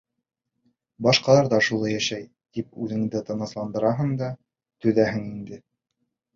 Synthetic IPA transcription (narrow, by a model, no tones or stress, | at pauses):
bɑʃqɑlˠɑɾðɑʃulˠɑjæʃæj | t̪ipʉðɘ̆ŋd̪ɘt̪ɤ̆nɤ̆slˠɑnd̪ɤ̆ɾɑɦɤɴd̪ɑ | t̪ɵ̆ðæɦɘŋind̪ɘ